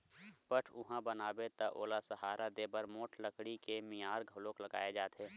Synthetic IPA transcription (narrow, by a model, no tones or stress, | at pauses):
pəʈʰʊɦãbənaːbet̪əʔo̰ːlasəɦaːɾʔad̪eːbəɾmoːʈʰləkɽikemijaːɾɡʱəloːkləɡa̰ːed͡ʒaːt̪ʰɦeː